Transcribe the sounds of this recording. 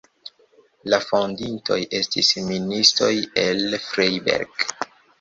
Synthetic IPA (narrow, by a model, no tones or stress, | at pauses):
lafondinto̞jʔe̞stisministo̞je̞lfɾejbḛɾɡ